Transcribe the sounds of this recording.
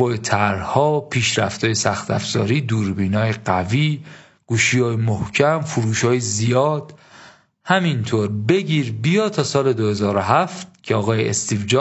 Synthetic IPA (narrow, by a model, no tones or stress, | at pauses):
ɒːjet̪ʰæɾhɒːpʰiːʃɾæft̪ʰɒːjesæxt̪æ̰fz̥ɒ̰ːɾiːd̪uːɾbiːnɒːjeɢæviː | ɡ̥uːʃiːjɒːjemohcʰæmfuɾuːʃɒːjezijɒːd̪̥ | hæmint̪ʰoɾbe̞ɟiːɾbijɒːt̪ʰɒːsɒːle̞d̪ohe̞zɒːɾoɦæft̪̚cʰeɒːɣɒːjeḛst̪ivd͡ʒɒː